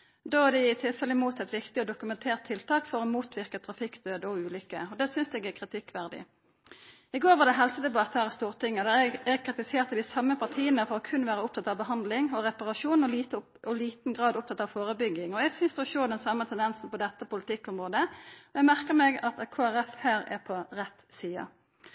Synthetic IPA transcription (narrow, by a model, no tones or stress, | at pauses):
d̪oːæʁd̪ɛɪt̪ʰɪlfɛlːəmuːt̪ɛt̪ʋɪkt̪ɪɔd̪ʊkʉmɛnt̪ʰeːʁt̪ʰːɪlt̪ʰɑːkfɔʁɔmuːt̪ʰʋɪʁkət̪ʰɾɑfɪkd̪øːd̪ɔʉːlʏkːəɔd̪ɛsʏnsɛɡækʰɾɪt̪ʰɪkːʋæʁd̪ɪ̰ | ɪɡoːɾʁʋɑʁd̪ɛɦɛlsəd̪ɛbɑt̪ʰæʁst̪uːʁt̪ɪŋːəd̪ɛæɛɡɛɡkʰɾɪt̪ɪseːʁt̪ɑd̪ɪsɑmːəpʰɑʁt̪ʰiːənəfɔʁɔkʰʉnʋæːʁəʊp̚t̪ʰɑt̪ːɑʋbəɦɑnd̪lɪŋɔʁɛpɑʁɑʂuːn̩ɔ | ɔliːt̪n̩ɡʁɑːd̪ʊp̪̚ɑt̪ːɑʋfoːʁəbʏɡɪŋɔɛɡsʏnsd̪ɛɔʃoːd̪ɛnsɑmːət̪ʰɛnd̪ɛnsn̩pɔd̪ɛt̪ːəpʊlɪt̪ɪkːɔmʁoːd̪əɔɛɡmæʁkəʁmɛɡɑt̪kʰoːæʁɛfhæːɾɛ̰ʁpʰɔʁɛt̪siːɑ̰